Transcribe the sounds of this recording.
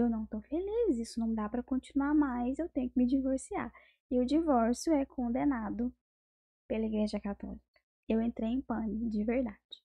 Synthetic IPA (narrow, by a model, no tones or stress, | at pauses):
ewnɐ̃w̃t̪owfelizisʊnɐ̃w̃d̪apɾɐkõt͡ʃinuaɾmajzewt̪ẽɲʊkɪmɪd͡ʒivoɾsia̰ | ɪʊd͡ʒivɔɾsjʊɛkʰõnd̪enad̪ʊ | pelɐiɡɾeʒɐkat̪ɔ̰likɐ̥ | ewẽnt̪ɾejẽj̃pɐ̃nɪd͡ʒɪveɾd̪ad͡ʒɪ̥